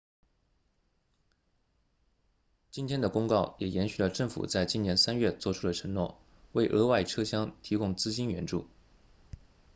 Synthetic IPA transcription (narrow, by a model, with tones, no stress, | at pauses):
t͡ɕi˥nt̪ʰjɛ˥nd̪ə˨kʊ˥ŋkɑ˥˩ʊjɛ˨˩jɛ˧˥nɕy˨˩lə˩ʈ͡ʂɤ˥˩ŋfṵ˨˩t͡sa˥˧ɪt͡ɕi˥njɛ˧˥nsa˥nɥɛ˥˧t͡swɔ˥˩ʈ͡ʂʰu˥d̪ə˨ʈ͡ʂʰɤ˧˥ŋnwɔ˥˩ | we˥˩ɪʔɤ˥wa˥˩ɪʈ͡ʂʰɤ˥ɕjɑ˥ŋt̪ʰi˧˥kʊ˥ŋt͡sɹ̩˥t͡ɕi˥nɥɛ˧˥nʈ͡ʂu˥˩